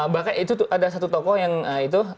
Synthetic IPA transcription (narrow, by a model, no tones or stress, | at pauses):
bakanit̪ut̪uʔadasat̪ut̪ɔkɔhjaŋəit̪̬u